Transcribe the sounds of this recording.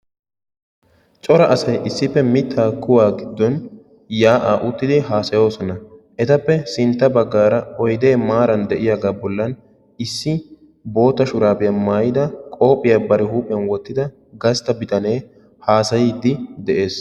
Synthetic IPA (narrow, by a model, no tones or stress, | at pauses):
t͡ʃʼɔɾɐʔɐsɐjʔɪsːɪpːɛmɪt̪ʰːaːkʰːʊwaːɡɪd̪ːɔn | jaːʔaːʔʊt̪ːɪd̪ɪɦaːsɐjo̞ːsɔnɐʔɛt̪ɐpːɛsɪnt̪ːɐbɐɡːaːɾɐɔjd̪e̞ːmaːɾɐnd̪ɛʔɪjaːɡaːbɔlːɐn | ɪsːɪ | bo̞ːt̪ːɐʃʊɾaːbɪjɐmaːjɪd̪ɐkʼo̞ːpʼːɪjabɐɾɪhuːpʼɛnwɔt̪ːɪd̪ɐ | ɡɐst̪ːɐbɪt̪ɐne̞ː | haːsɐjɪːd̪ːɪd̪ɛʔe̞ːs